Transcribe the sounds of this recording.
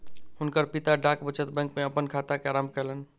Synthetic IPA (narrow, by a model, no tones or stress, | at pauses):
hunkəɾpit̪aɖakbət͡ʃət̪bɛ̃ŋkmeəpənkʰat̪akeaɾamkɛlən